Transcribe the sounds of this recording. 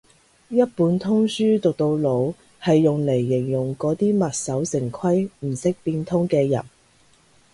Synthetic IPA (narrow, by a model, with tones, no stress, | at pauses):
jɐ˥t̚puː˨˥nt̪ʰʊ˥ŋsyː˥t̪ʊ˨k̚t̪o˧wlo˨˧w | hɐ˨jːʊ˨ŋle˨˩jːɪ˨˩ŋjʊ˨˩ŋkɔː˨˥t̪iː˥mɐ˨t̚sɐ˨˥wsɪ˨˩ŋkʰɐ˥jm̩˨˩sɪ˥k̚piː˧nt̪ʰʊ˥ŋkɛː˧jɐ̰˨˩n